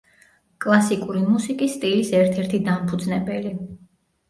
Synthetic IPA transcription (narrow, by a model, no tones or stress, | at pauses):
kʼlˠasikʼuɾimusikʼisːt̪ʼilisɛɾt̪ʰɛɾt̪ʰid̪ampʰud̪znɛbɛli